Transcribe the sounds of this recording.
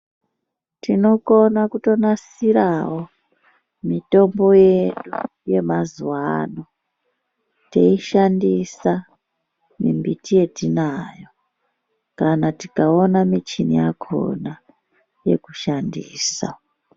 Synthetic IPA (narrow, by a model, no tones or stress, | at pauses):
tino̞konakuto̞nas | iɾawo̞ | mito̞mbo̞je̞ɗu | je̞mazwano | te̞iʃandisa | mḭmbitije̞tinaːjo | kanatikao̞namit͡ʃinḭjakʰo̰na | je̞̰kuʃandiːsa̰